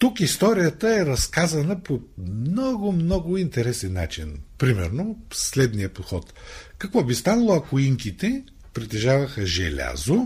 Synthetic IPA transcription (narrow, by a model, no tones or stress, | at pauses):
t̪ukist̪ɔɾijət̪əɛɾɐskazɐnəponɔɡʊmnɔɡʊint̪ɛɾɛsɛnːa̰t͡ʃinpɾimɛɾnoslɛd̪nijəpot̪xɔt̪kɐkvɔbist̪anɐlˠoɐkoiŋkit̪ɛ | pɾit̪ɛʒavəxəʒɛ̰lʲa̰zo